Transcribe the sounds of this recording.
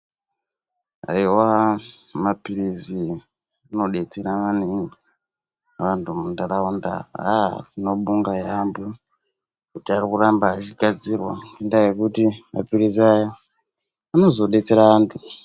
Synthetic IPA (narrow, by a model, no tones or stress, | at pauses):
a̰iwa | mapirizi | ano̞ɗe̞t͡seɾaʋaneŋɡi | ʋantʰumundaraunda̰atino̞ɓuŋɡajambu | kutiarikurambaːt͡ʃiɡʱad͡zirwa̰endajekutima̰piriziajaː | no̞zo̞ɗe̞t͡se̞ɾaʋaːntʰu